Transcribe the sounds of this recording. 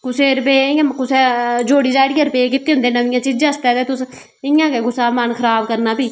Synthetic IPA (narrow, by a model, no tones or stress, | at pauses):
kʊseːɾpeːɪãːkʊseːd͡ʒoːɽiːd͡ʒaːɽɪjaːɾəpeːk̬ɪt̪ːeːɦʊnd̪eːnəʋɪjãːt͡ʃid͡ʒãːst̪ɛːt̪eːt̪ʊs | ɪjãːkeɡʊsaːmənkʰəɾaːbkəɾnaːpiː